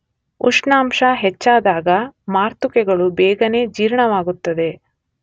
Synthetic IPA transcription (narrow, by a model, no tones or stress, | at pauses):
uʂɳaːmʂɐɦɛt͡ʃːaːd̪aːɡɐmaːɾt̪ukɛɡɐɭubɛːɡɐne̞ːd͡ʒiːɾɳɐʋaːɡut̪ːɐd̪e̞